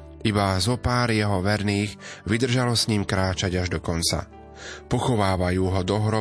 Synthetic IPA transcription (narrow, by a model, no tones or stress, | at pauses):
ʔibazɔpaːɾjɛɦɔʋɛɾniːɣʋid̪r̩ʒalɔsɲimkɾaːt͡ʃaɟaʒd̪ɔkɔnt͡sa̰ | pɔxɔʋaːʋajuːɦɔd̪ɔɦɾɔ